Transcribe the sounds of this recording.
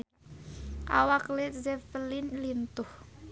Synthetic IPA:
ʔa̰waklɛt̪̚zɛfəlinlint̪ʊh

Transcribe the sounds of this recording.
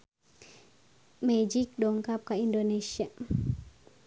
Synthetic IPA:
med͡ʒik̚ɗɔŋkap̚kaindonesia

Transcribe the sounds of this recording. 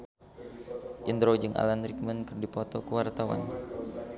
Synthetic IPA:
ʔind̪ɾod͡ʒɨŋʔa̰lanɾik̚mənkɨrdipɔt̪ɔkəwart̪awa̰n

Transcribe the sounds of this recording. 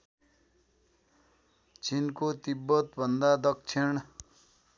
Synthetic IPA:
t͡sinkot̪ibːʌt̪bʱʌnd̪ad̪ʌk̚t͡sʰiɳ

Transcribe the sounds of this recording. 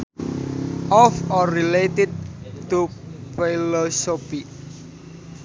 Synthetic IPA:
ʔɔfɔrilet̪ɪd̪̚t̪ːufilɔsopi

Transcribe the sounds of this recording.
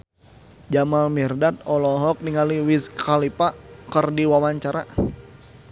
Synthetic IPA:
d͡ʒamalmirdat̪̚ɔlɔɦɔk̚niŋaliwiskʰalipakərdiwawaɲt͡ʃaɾa

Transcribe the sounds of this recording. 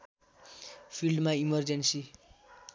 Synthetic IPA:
pʰilɖmaimʌrd͡zensi

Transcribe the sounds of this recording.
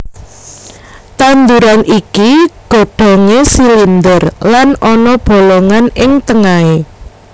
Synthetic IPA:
t̪and̪uɾanʔikiɡ̥o̤ɖ̥ɔ̤ŋesilind̪ərlanɔnɔb̥o̤lɔŋanɪŋt̪əŋae

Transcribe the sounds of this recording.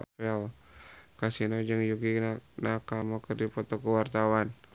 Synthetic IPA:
fɛl | kasinod͡ʒəŋjuɡinakamɔkərdipɔt̪ɔkəwart̪awan

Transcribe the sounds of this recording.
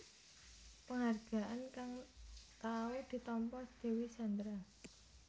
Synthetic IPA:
pəŋarɡ̥a̤ʔankaŋt̪awed̪̥i̤t̪ɔmpɔsd̪̥e̤wisand̪ɾa

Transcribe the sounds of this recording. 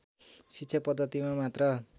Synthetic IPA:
sitːsʰʌpʌd̪ːʌt̪imamat̪rʌ

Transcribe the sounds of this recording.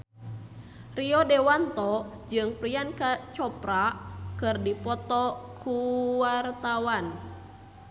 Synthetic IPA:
riɔdɛwant̪ɔ | d͡ʒɨŋpɾiankat͡ʃɔpɾakɨrdipɔt̪ɔkʰuwart̪awan

